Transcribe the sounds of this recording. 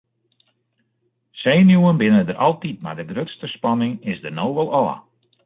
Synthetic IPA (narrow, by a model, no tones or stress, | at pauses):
seːnjuənbɪnədəɾʔɑlˠtit̚ma̰rdəɡrøtstəspɑnɪŋɪsdənowʋəlˠɔ̰ː